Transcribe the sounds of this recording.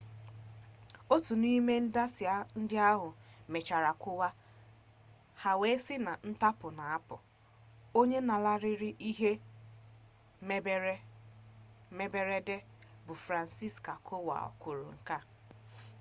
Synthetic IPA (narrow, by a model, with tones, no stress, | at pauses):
o˦tu˨ni˦me˦n̩˦da˦sɪ˨a˦n̩˦dɪ˦a˦ɦʊ˨me˨t͡ʃa˨ɾa˨kʷʊ˦wa˦ | ha˨we˦sɪ˦na˨n̩˦ta˦pʊ˨na˨a˦pʊ̰˨ | o˦ɲe˦na˨la˦ɾɪ˦ɾɪ˦ʔi˦ɦe˦ | me˦be˦ɾe˦de˦ | bʊ˨fɾa˨n̩˨si˦˨ska˨kʰʊ˦wa̰˨ɔ̰˨kʷʊ˨ɾʊ̰˨ŋ̩˨ka˦